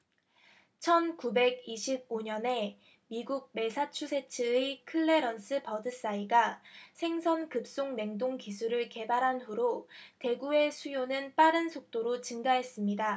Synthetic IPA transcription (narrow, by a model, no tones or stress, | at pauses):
t͡ɕʰʌnkube̞ɡiɕʰib̚oɲʌne̞ | miɡuɡ̚me̞sʰat͡ɕʰusʰe̞t͡ɕʰɯkʰɯɭːe̞ɾʌns͈ʰɯpʌdɯs͈aiɡasʰe̞ŋsʰʌnkɯp̚s͈oŋne̞ŋdoŋkisʰuɾɯɭke̞baɾɦanɸuɾote̞ɡue̞sʰujonɯnp͈aɾɯnsʰok̚t͈oɾot͡ɕɯŋɡaɦe̞s͈ɯmɲida